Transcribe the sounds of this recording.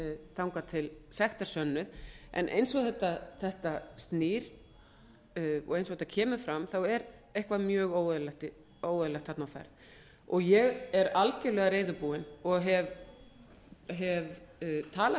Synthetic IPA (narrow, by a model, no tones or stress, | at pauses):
θawŋkat̪ʰɪlsɛxt̪aɾ̥sœnːʏðʔɛ̰nʔḛjnsɔɣθɛht̪aθɛht̪ast̪niɾ̥ | ɔ̰ɣejnsɔɣθɛt̪ːacʰɛːmʏ̥fɾamθawɛɾehkvamjœːɣoːwɛðlɛht̪ɪ | oːwðʏlɛxt̪hatnawfɛ̰ɾð | ɔɣjɛɣɛɾalcɪlœːɣaɾeːjðʏɾpuːɪnɔɣɦɛv | ɦɛvt̪ʰaːla